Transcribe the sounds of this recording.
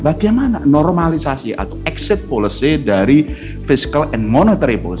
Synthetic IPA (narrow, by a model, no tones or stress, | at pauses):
baɡajmana̰nɔrmalisasiʔa̰t̪awɛksɪt̪̚pɔlisidaɾi | fisi̥kalɛnmɔnot̪aɾipɔlisi